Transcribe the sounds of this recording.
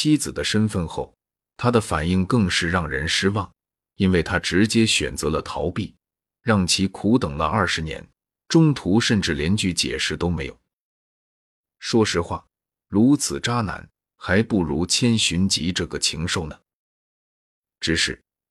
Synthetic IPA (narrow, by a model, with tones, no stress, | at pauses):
t͡ɕʰi˥t͡sɹ̩˨˩d̪ə˦ʂə˥nfə˥˧nxo˥˩ʊ | t̪ʰa˥d̪ə˨fa̰˨˩ni˥˧ŋkɤ˥˧ŋʂɻ̩˥˧ɻɑ˥˩ŋɻə̰˧˥nʂɻ̩˥wɑ˥˩ŋ | i˥nwe˥˩ɪt̪ʰa˥ʈ͡ʂɻ̩˧˥t͡ɕjɛ˥ɕɥɛ̰˨˩nt͡sɤ˧˥lə˧t̪ʰɑ˧˥ʊpi˥˩ | ɻɑ˥˩ŋt͡ɕʰi˧˥kʰu˧˥t̪ɤ˨˩ŋlə̰˦ʔɐ˥˩ʂɻ̩˧˥njɛ̰˧˥n | ʈ͡ʂʊ˥ŋt̪ʰu˧˥ʂə˥˧nʈ͡ʂɻ̩˥˩ljɛ˧˥nt͡ɕy˥˩t͡ɕjɛ̰˨˩ʂɻ̩˥˩t̪o˥ʊme˧˥ɪjo̰˨˦˩ | ʂwɔ˥ʂɻ̩˧˥xwa̰˥˩ | ɻu˧˥t͡sʰɹ̩˨˩ʈ͡ʂa˥na̰˧˥n | xa˧˥ɪpu˥˩ɻu˧˥t͡ɕʰjɛ˥nɕy˧˥nt͡ɕḭ˧˥ʈ͡ʂɤ˥˩ɡə˩t͡ɕʰi˧˥ŋʂo˥˩ʊnə˩ | ʈ͡ʂɻ̩˧˥ʂɻ̩˥˩